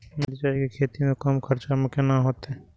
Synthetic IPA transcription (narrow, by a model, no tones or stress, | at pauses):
md̪it͡ʃaːikekʰeːt̪imẽkɐmkʰɐɾt͡ʃamɪkenaɦoːt̪ɛ